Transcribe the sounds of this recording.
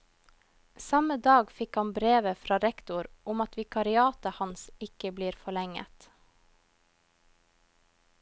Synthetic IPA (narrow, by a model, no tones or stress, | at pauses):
sɑməd̪ɑːɡfɪkhɑnbɾeːʋəfɾɑːɾɛkt̪ʊɾʔʊmɑt̪ʋɪkʰɑɾɪɑːt̪əhɑnsɪkəbliːɾfɔɭɛŋə̰t̪